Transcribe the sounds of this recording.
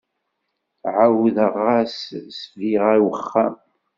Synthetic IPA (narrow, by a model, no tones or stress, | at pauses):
ʕawðəʁːassviʁæwəχːæ̰m